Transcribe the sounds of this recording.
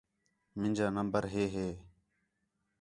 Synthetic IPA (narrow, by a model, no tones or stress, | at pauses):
mɪ̃nd͡ʒaːnəmbəɾɦeːɦeː